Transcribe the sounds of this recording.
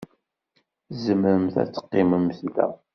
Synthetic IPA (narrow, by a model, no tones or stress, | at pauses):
zəməɾəmθæ̰t͡sːə̥qːɪməmːθt̪æ̰